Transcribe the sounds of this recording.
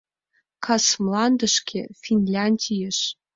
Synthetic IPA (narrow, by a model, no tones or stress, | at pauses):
kʰɑsmlˠɑnd̪ə̆ʃkʰʲḛfʲinʲlʲɑnʲdʲijəʂ